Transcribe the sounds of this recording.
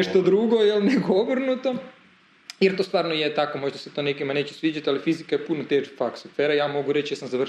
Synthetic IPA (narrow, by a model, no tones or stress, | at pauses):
eʃt̪od̪ɾuɡojelnekooʋrnut̪o̞ | jeɾt̪ost̪ʋaːɾnojet̪akomo̞ʒd̪aset̪o̞ːnekimane̞ːt͡ɕu̥sʋiːd͡ʑat̪ialifizikajepunot̪eːʒfaksufeɾajaːmo̞ɡuɾet͡ɕjasamzaʋr